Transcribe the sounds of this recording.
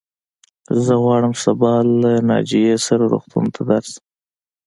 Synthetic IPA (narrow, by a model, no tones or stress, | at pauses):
zəɣwɑɽəmsabɑlːanɑ̰d͡ʒijesaɾaɾṵɣt̪ṵnt̪ʰad̪aɾsəm